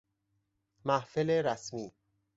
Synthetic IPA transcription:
mæhfeleɾæsmiː

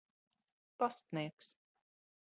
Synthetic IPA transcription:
past̪niɛks

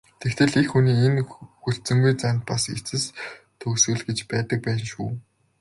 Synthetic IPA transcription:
t̪ʰekt̪ʰɘ̆ɮexːuniːenxur̥t̪t͡sɵ̆ŋɡujt͡sant̪̚paset͡sɘ̆s | t̪ʰɵkswɘ̆ɮɡet͡ɕpæːt̪ə̆k̚pæːnʃuː

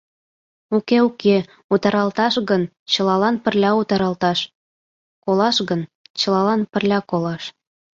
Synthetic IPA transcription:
ukeuke | ut̪ɑɾɑlt̪ɑʃɣən | t͡ɕə̆lɑlɑnpə̆rlʲɑut̪ɑɾɑlt̪ɑʃ | kolɑʃɣənt͡ɕə̆lɑlɑnpə̆rlʲɑkolɑʃ

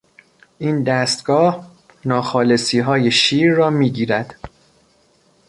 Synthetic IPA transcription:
ʔiːnd̪æst̪ɡ̥ɒːh | nɒːxɒːle̞siːɦɒːjeʃiːɾːɒːmiːɟiːɾæd̪̥

